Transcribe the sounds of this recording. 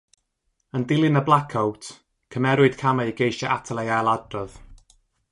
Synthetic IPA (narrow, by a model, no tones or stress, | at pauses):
əndɪlˠɪnəblˠakʰawtʰ | kʰəmɛɾwʊɨd̥kʰamajɡejʃaʔatʰəlˠajalˠadrɔð̥